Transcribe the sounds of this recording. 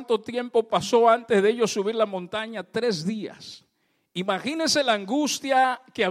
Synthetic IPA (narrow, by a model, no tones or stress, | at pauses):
nt̪o̞t̪je̞mpo̞paso̞ant̪ezðeeʝo̞suβiɾlamõ̞nt̪aɲat̪ɾe̞zðia̰s | imaxinese̞laːŋɡust̪jakea